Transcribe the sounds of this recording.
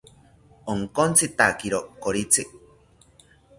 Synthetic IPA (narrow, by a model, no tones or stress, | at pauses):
oŋkont͡sit̪akiɾokoɾit͡si